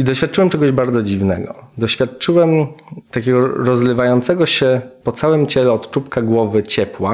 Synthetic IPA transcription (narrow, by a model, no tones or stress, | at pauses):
id̪ɔɕfʲjat̪̚ːt͡ʂɘwɛmt͡ʂɛɡɔʑbaɾd̪zɔd͡ʑivnɛ̰ɡɔ̰d̪ɔɕfʲjat̪̚t͡ʂɘwɛmt̪akʲɛɡɔɾɔzlɘvajɔnt̪sɛɡɔɕɛpɔt̪sawɛmt͡ɕɛlɛɔt̪t͡ʂupkaɡwɔvɘt͡ɕɛpwa